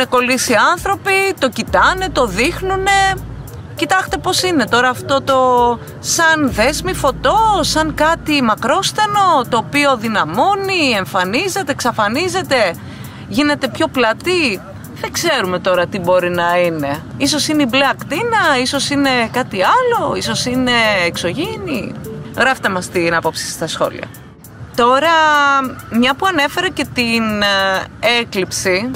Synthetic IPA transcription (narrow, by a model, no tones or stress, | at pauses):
neko̞lisiɐnθɾo̞pit̪o̞cit̪ɐne̞t̪o̞ðixnune̞ | cit̪ɐxt̪epo̞sine̞t̪o̞ɾɐːft̪o̞t̪o̞ | sɐnðe̞zmifo̞t̪o̞sɐŋkɐt̪imɐkɾo̞st̪eno̞t̪o̞ːpio̞ðinɐmo̞nie̞ɱfɐnize̞t̪e̞ksɐfɐnize̞t̪e̞ | ʝine̞t̪e̞pço̞plɐt̪i | ðeɡse̞ɾume̞t̪o̞ɾɐt̪ibo̞ɾinɐine̞iso̞sineibleɐkt̪inɐiso̞sine̞kɐt̪iɐlo̞iso̞sine̞ːkso̞ʝiniɣɾɐft̪emɐst̪inɐpo̞psi̥st̪ɐsxo̞̰lḭɐ̰ | t̪o̞ɾɐ | mɲɐpuɐne̞fe̞ɾece̞t̪in | e̞klipsi